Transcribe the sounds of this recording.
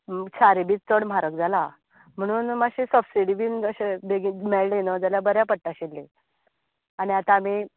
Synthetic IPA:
t͡ɕʰaɾibiːt͡st͡s̪əɽm̤aɾək̚d͡zʱala | m̤əɽ̃uːnmaɕesəbsiɽiʋiːnəɕebeɡimeɭlenəd͡zaljabəɾjapəʈʈːaɕilːe | añiat̪aːmi

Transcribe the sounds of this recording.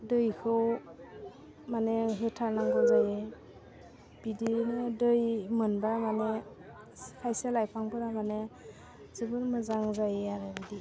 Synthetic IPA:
dɯjkʰɯw | maneɦɯtʰaɾnaŋɡɯzaje | b̥idinɯdɯjmɯnbamane | kʰajselajpʰaŋpɯɾamane | zɯbɯnmɯzaŋzajeaɾebidi

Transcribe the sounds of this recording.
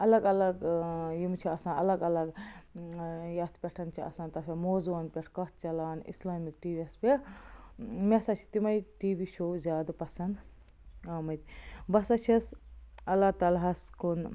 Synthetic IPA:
ɐlɐɡɐlɐɡjimt͡ʃʰiɐsãːnɐlɐɡɐlɐɡ | jɐst̪pʲeʈʰɐnt͡ʃʰiɐ̰sãnt̪ɐsʲemoːzuɐnpʲeʈʰkɐt̪t͡ʃɐlaːnḭslaːmik̚ʈiːʋiɐspʲeʈ | mesɐt͡ʃʰi̥t̪imɐjʈiːʋiʃʰozʲjaːd̪ɐpɐsɐnd̪ | aːmɐt̪ʲbɐsɐt͡ʃʰisɐlːaːt̪ɐlɦɐskun

